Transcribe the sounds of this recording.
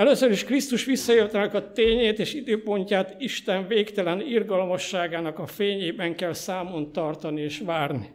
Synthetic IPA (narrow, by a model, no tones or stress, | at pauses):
ɛløsøɾiʃkrist̪uʃʋisːɒjørt̪ɛnɛkɒt̪eːɲeːt̪eːʃid̪øːpo̞ɲcaːt̪iʃt̪ɛɱveːkt̪ɛlɛnirɡɒlmɒʃːaːɡaːnɒkɒfeːɲeːbɛŋkɛlsaːmo̞nt̪ɒrt̪ɒnieːʃʋaːrni